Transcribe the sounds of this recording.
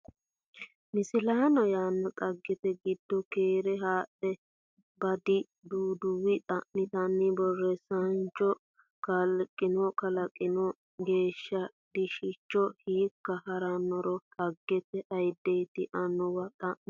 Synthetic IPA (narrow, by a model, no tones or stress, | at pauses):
mɪsɪlaːnɔjaːnːɔt̪ʼɐɡːɛt̪ɛɡɪd̪ːɔkeːɾɛɦaːʔɛ | bɐd̪ɪ | d̪uːd̪ʊwɪt̪ʼɐʔnɪt̪ɐnːɪbɔrːɛsɐnt͡ʃːɔ | kɐlkʼːɪnɔkɐlɐkʼːɪnɔ | ɡe̞ːʃːɐd̪̥ɪʃɪt͡ʃːɔhiːkːɐhɐɾanːɔɾɔt̪ʼɐɡːɛt̪ɛʔɐjd̪ːejt̪ɪʔɐnʊwɐt̪ʼɐʔɪ